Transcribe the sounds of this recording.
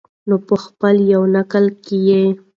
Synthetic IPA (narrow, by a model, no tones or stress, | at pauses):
nopəxpəljawnakəlkeje